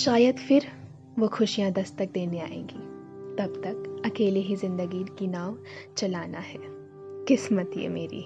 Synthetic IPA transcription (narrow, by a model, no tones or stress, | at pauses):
ʃaːjəd̪fɪɾ | ʋoxʰʊʃijãd̪ɐst̪ɐk̚d̪eːnea̰ːḛ̃ːŋɡḭː | t̪ɐbt̪ɐkɐkeːleɦizɪ̃nd̪əɡinkinaːʋ | t͡ʃɐlaːnaɦɛː | qɪsmət̪ijḛmeːɾḭ